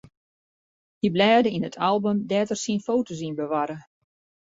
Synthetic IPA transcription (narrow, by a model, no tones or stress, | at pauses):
hiblɛːdəinətʰalˠbəmdɛːtərsinfoːtos̬inbəʋaɾə